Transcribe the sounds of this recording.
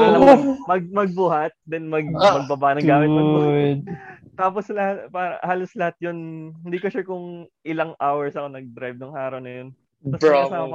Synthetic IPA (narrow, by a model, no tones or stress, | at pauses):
lɐmɐɡ̚mɐɡ̚bʊɦɐt̪̚d̪ɛnmɐɡmɐɡ̚bɐbaʔnɐɡaːmɪt̪a | t̪aːposlɐhat̪paːɾɐ̰haːloslɐhat̪̚jonhɪnd̪iːkoʃɐkʊŋʔɪlɐŋʔawɛɹsɐko̞nɐɡ̚d̪ɾajb̚nʊŋhaːɾonɐjon | ɐsɐsaːmɐ